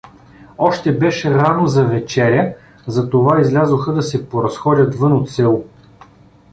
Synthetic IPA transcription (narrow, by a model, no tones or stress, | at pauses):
ɔʃt̪ɛbɛʃɛɾanozɐvɛt͡ʃɛɾʲə | zɐt̪ovaizlʲazoxəd̪ɐsɛpoɾɐsxɔdʲɐt̪vɤnot̪sɛlˠo